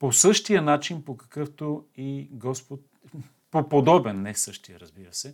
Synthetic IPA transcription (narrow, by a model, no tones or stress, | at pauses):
posɤʃt̪ijənat͡ʃinpokɐ̥kɤft̪oiɡɔspot̪̚ | popod̪ɔbɛnːɛsɤʃt̪ijəɾɐzbiɾəsɛ